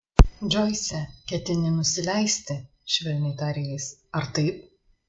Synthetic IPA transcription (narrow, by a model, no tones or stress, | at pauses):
d͡ʒʲɔɪsʲɛkʲɛt̪ʲɪnʲɪnʊsʲɪlʲɛɪsʲt̪ʲɪ | ʃʲʋʲɛlʲnʲɛɪt̪ɑːɾʲɛjɛɪsɐɾt̪ɐɪp̚